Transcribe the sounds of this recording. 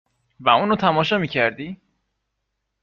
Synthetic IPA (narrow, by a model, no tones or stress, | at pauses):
væuːnot̪ʰæmɒːʃɒmiːcʰæɾd̪iː